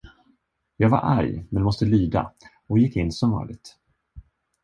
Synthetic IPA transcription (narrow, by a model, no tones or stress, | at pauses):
jɑːɡva̰ɾʔæ̰ɾjmɛnmɔst̪əlyːd̪a̰ | ɔjɪkːɪnːsɔmɑ̰ːlɪɡ̚t̪